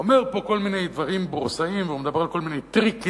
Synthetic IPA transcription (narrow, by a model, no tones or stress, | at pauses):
ome̞ʁpo̞ko̞lminejd̪vaʁimbʁsaimveumed̪abe̞ʁalko̞lminejt̪ʁik